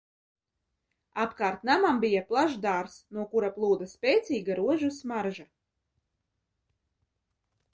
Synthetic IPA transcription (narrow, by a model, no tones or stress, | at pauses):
apkaːɾt̪namambijaplˠaʒd̪aɾsnuɔkuɾaplˠuːd̪aspʲɛjt̪sʲiːɡaɾuɔʒusmaɾʒa